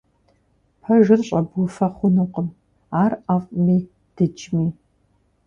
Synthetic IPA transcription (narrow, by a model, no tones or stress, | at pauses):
pʰɐʒɨrɕʼɐbwʊfɐχʷʊnuqəm | aːrafʼmiː | d̥ɨd͡ʒʼmiː